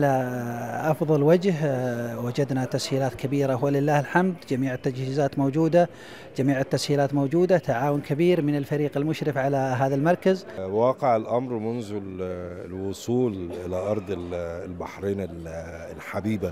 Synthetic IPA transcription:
ʕalaʔɑfðˤɑlwad͡ʒɦwad͡ʒad̪nat̪ashiːlaːt̪kʰabiːɾahwalɪlːaːhɪlħamd̪d͡ʒamiːʕɪt̪ːad͡ʒhiːzaːt̪mowd͡ʒuːd̪a | d͡ʒamiːʕɪt̪ːashiːlaːt̪moːd͡ʒuːd̪at̪aʕaːwʊnkabiːɾmɪnɪlfaɾiːqɪlmʊʃɾɪfʕalaɦaːðalmɑɾˤkaz | wɑːqɪʕɪlʔamɾmʊnðʊ | lwʊsˤuːlʔɪlaʔɑɾˤd̪ˤllbaħɾiːnɪl | lħabiːba

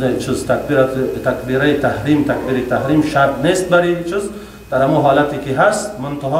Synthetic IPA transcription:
net͡ʃʰuzt̪akbt̪ʰakbiɾait̪ʰahɾimt̪ʰakbiɾit̪ʰaɦɾimʃaɾt̪nest̪̚baɾit͡ʃʰuz | d̪̥aɾhamuɦɔlat̪ikiɦast̪mʊnt̪ʰaɦɔ

